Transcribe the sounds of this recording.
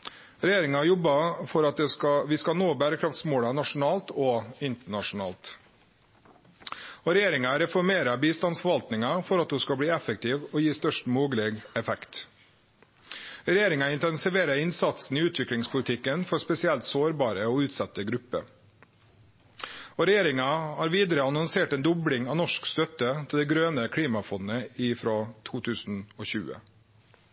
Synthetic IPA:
ɾɛjeːɾɪŋɑjɔbɑfɔɾɑt̪̚d̪ɛskɑʋɪskɑnoːbæːɾəkʰɾɑft̪smoːlɑnɑʂʊn̩ɑːlt̪ɔɪnt̪əɳɑʂʊnɑ̰ːlt̪ | ɔːɾɛjeːɾɪŋɑɾɛfɔɾmeːɾɑbiːst̪ɑnsfɔɾʋɑlt̪nɪŋɑfɔɾɑt̪huːskɑbɽiːɛfək̚t̪ʰiːʋɔjiːst̪œʂʈmoːɡleːɡɛfɛkt̪ | ɾɛjeːɾɪŋɑɪnt̪ɛnsɪʋeːɾəɪnsɑt̪sn̩ɪʉːt̪ʰʋɪkɽɪŋspʰʊlɪt̪ʰɪkːənfɔɾspɛsɪɛlt̪soːɾbɑːɾəɔʉːt̪sɑt̪ːəɡɾʉpːə̰ | ɔɾɛjeːɾɪŋɑhɑːɾʋiːd̪əɾəɑnɔnseːʈɛːnd̪ɔbɽɪŋɑʋnɔʂkst̪œt̪ːət̪ʰɪld̪ɛɡɾøːnəkʰɽiːmɑfɔnːəɪfɾoːt̪ʰuːt̪ʰʉːsn̩ɔːçʉ̰ːə̰

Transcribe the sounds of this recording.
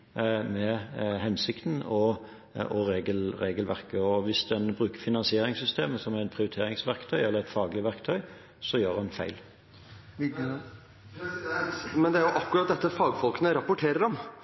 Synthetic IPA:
mɛɦɛnsɪkt̪n̩ɔ | ɔɾeːɡəlɾeːɡəlʋæʁkəɔʋɪsd̪ɛnbʁʉːkəɾfɪnɑnsɪeːɾɪŋsʏst̪eːməsɔmæʁɛt̪̚pʰɾɪʊɾɪt̪ʰeːɾɪŋsʋæɾkt̪ʰœʏɛlːʁɛɪt̪fɑːɡlɪʋæʁkt̪ʰœʏ | sɔjøːʁɛnfæɪl | mɛnd̪ɛæɾjʊʔɑkːʊɾɑt̪̚d̪ɛt̪ːəfɑːɡfɔlknəɾɑpʊʈʰeːɾəɖɔm

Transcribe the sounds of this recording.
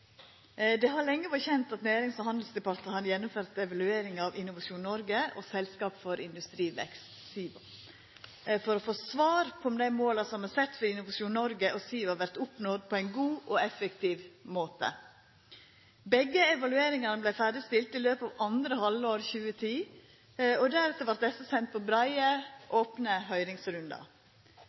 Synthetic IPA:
d̪ɛɦɑɾɭɛŋːəʋɔçɛnt̪ɑt̪næːɾɪŋsfɔɾhɑnd̪lsd̪ɛpɑɾt̪ɑhɑnjɛnːʊmføːɾt̪ɛʋɑlʉeːɾɪŋɑʋɪnʊʋɑʂuːnnɔɾɡəɔ̰sɛlskɑːpfɔɾɪnd̪ʉst̪ɾiːʋɛ̰kst̪siː | fɔɾɔfoːsʋɑːɾpʰɔmd̪æɪmoːlɑsɔmɛsɛt̪ːfɔɾɪnʊʋɑʂuːnɔɾɡəʔɔsiːʋɑɾʋæɾt̪ʊpnɔd̪̚pʰɔæɪnɡuːʔɔɛfɛkt̪iːʋmoːt̪ə̰ | bɛɡːəɛʋɑlʉeːɾɪŋɑnəblæɪfæːɖɪst̪ɪlt̪ɪløːpɑːʋɑnd̪ɾəhɑləoːɾçʉːət̪ʰiː | ɔd̪æɾʉt̪əɾʋɑɾt̪̚d̪ɛsəsɛnt̪̚pʰɔbɾɑɪəʔoːpnəɦœʏɾɪŋsɾʉnd̪ɑ̰

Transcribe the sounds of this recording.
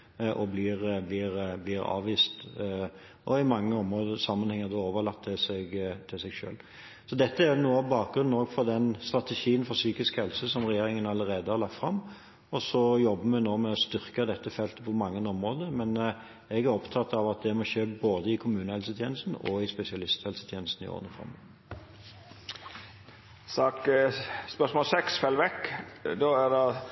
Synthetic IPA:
ʔɔbliːɾbliːɾbliːɾɑ̰ːʋiːst̪ | ɔɪmɑŋːəɔmʁoːd̪əsɑmːənhɛŋːəʁd̪oːoːʋəlɑt̪ʰːɪsɛɡt̪ʰɪsɛɡʂø̰ːl | sɔd̪ɛt̪ːəænuːəɑʋbɑːk̚ɡɾʉnn̩oːɡfɔɾd̪ɛnst̪ɾɑt̪əʃiːənfɔɾsyːkɪskhɛlsəsɔmʁɛjeːɾɪŋənɑlːəɾeːd̪əhɑʁlɑk̚t̪fʁɑmː | ɔsɔjɔbːəmɛnoːmɛɔst̪ʏʁkəd̪ɛt̪ːəfɛlt̪əpʰɔmɑŋːənɔmʁoːd̪əmɛn | ɛɡæɾɔpt̪ʰɑt̪ːɑʋɑt̪̚d̪ɛmɔçeːboːd̪əɪkʰʊmʉːnəhɛlsət̪ʰjeːnəst̪n̩ɔ̰ɪspɛsɪɑlɪst̪hɛlsət̪ʰjeːnəst̪n̩ɪ̰o̰ːʁnəfɔ̰m̰ | sɑːkspœʂmɔːlsɛksfɛlːʋɛkːd̪oːædɑ

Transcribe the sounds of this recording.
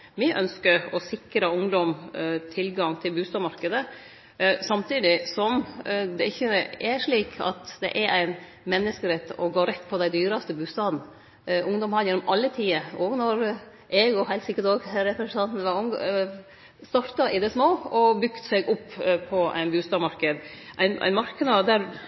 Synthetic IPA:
mɪʔœ̰nskəɾɔsɪkɾəʊŋd̪ɔmt̪ʰɪlɡɑŋt̪ʰɪlbʉːst̪ɑːʋmɑɾkəd̪ə | sɑmt̪ʰiːd̪ɪsɔmd̪ɛɪçːəæʂɭiːkʰɑ̰t̪d̪ɛ̰ʔæɾæɪn | mɛnːəskəɾɛt̪ːɔɡoːɾɛt̪ːpʰɔd̪æɪd̪yːɾɑst̪əbʉːst̪ɑːd̪n̩ | ʔʊŋd̪ɔmhɑɾjɛnːɔmʔɑlːət̪ʰiːəoːɡnɔɾ | ʔɛɡɔhæɪlsɪkːət̪oːɡɾɛpɾɛsnɑnt̪n̩ʋɑʊŋ | st̪ɑɾt̪ɑʔɪd̪ɛsmoːɔbʏkt̪sɛɡʊpːpʰɔʔæ̰ɪnbʉːst̪ɑːmɑɾkəd̪ʔæɪnʔæ̰ɪnmɑɾkəd̪ɑd̪æɾ

